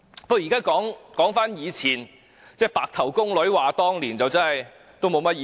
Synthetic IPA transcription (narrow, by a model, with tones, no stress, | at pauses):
pɔ˥˧˥jiː˨˩kaː˥kɔː˨˥ŋkɔː˨˥ŋfaː˥njiː˨˧t͡sʰiː˨˩n | t͡sɛː˥˩paː˨k̚t̪ʰɐ˨˩wkʊ˥ŋlɵ˨˥ɥwaː˨t̪ɔː˥ŋliː˨˩nt͡sɐ˨wt͡sɐ˥nɐ˨j | t̪o˥wmo˨˧wmɐ˥t̚ji˨